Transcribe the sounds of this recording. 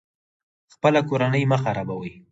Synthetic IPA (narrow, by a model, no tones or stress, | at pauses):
xpəlakoɾanəjməxaɾabawəj